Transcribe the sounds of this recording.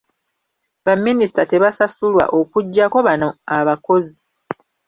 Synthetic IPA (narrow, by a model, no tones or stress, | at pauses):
βamːinisi̥tate̞βasasulwa̰ʔo̞kuɟːako̞βanoaβako̞zi